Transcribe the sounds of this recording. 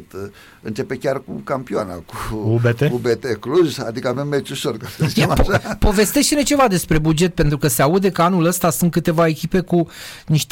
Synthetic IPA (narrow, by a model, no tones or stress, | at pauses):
t̪ | ɨnt͡ʃe̞pe̞kʲarkṵkampioa̰na̰kuubet̪eubet̪ekɾuza̰d̪ikəave̞mːet͡ʃʲuʃorkasəsamʃapo̞ve̞st̪e̞ʃt̪enet͡ʃe̞vad̪e̞spɾe̞bud͡ʒe̞t̪̚pe̞nt̪ɾukəse̞aud̪e̞kəanuləst̪asunt̪̚kɨt̪e̞vae̞kʲipe̞kuniʃt̪